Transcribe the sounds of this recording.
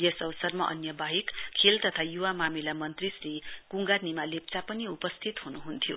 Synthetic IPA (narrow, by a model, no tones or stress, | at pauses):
jesʌwsʌrmaʔʌ̰njʌbaɦikkʰːelt̪ʌt̪ʰajuwamamilamʌnt̪risrikuŋɡanimalep̚t͡sapʌniupʌst̪ʰit̪ɦunuɦunt̪ʰijo̰